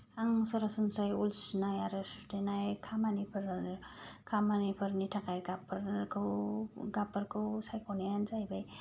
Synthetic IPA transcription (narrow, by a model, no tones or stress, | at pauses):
aŋsɔɾasunsajulsnajaɾɯsu̥tenajkʰamanipʰɯɾ | kʰamanipʰɯɾnitʰakajɡapʰɯɾkʰɯwɡapɯɾkʰɯwsajkʰɔnijanzajbaj